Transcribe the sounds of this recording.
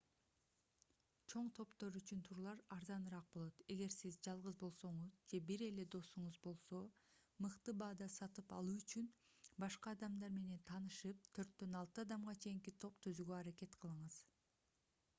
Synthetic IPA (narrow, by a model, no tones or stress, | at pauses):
t͡ʃʰo̞ɴt̪ʰo̞pt̪o̞ɾyt͡ʃynt̪ʰuɾlˠɑɾɑɾzɑnɯɾɑq̚bo̞lˠo̞t̪e̞ɡe̞ɾsizd͡ʒɑlˠʁɯzbo̞lˠso̞ɴuzd͡ʒe̞biɾe̞le̞d̪o̞suɴuzbo̞lˠso̞mɯqt̪ɯbɑːd̪ɑsɑt̪ɯpɑ̰lˠuːyt͡ʃyn | bɑʃqɑːd̪ɑmd̪ɑɾme̞ne̞nt̪ʰɑːnɯʃɯp̚t̪ʰø̞ɾt̪̚ːø̞nɑlˠt̪ɯɑd̪ɑmʁɑt͡ʃʰe̞jiŋkit̪ʰo̞pt̪ʰøzyɡøɑɾake̞t̪qʰɯlˠɯɴɯz̥